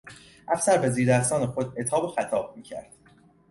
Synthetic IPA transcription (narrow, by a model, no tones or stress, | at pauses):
ʔæfsæɾbeziːɾd̪æst̪ɒːnexod̪e̞t̪ʰɒːbexæt̪ʰɒːb̥̚miːcʰæ̰ɾd̪̥